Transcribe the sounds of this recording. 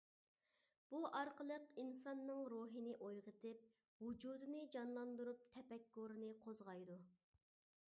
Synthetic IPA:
b̥uʔɑɾqʰəlˠəqinsɑnːɨŋɾoːɦɨnɪʔojʁət̪ɪp̚ | wud͡ʒud̪ɨnɨd͡ʒɑnlˠɑnd̪uɾup̚t̪ʰɛpɛkːoɾɨnɨqʰozʁɑjd̪u

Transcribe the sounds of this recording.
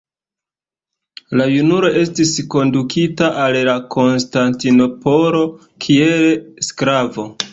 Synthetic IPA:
lajunuɾo̞ʔe̞stisko̞ndukʰitaʔallakʰo̞nstantino̞po̞ɾo̞ | kʰielskɾavo̞

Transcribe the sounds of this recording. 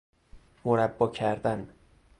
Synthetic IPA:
moɾæbːɒːcʰæɾd̪æn

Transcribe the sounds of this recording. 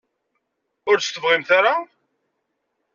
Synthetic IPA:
ʊɾt͡st̪əvʁɪmθaɾa

